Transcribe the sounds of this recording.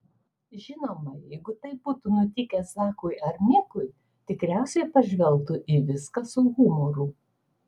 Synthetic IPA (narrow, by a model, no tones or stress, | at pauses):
ʒʲɪnoːmɐjɛɪɡʊt̪ɐɪp̚buːt̪unʊt̪ʲɪkʲɛssɑːkʊɪɐɾʲmʲɪkʊɪ | t̪ʲɪkɾʲæˑʊsʲɛɪpɐʒʲʋʲɛlˠˑt̪ʊʔiːʋʲɪskɐsʊɣʊmɔɾuː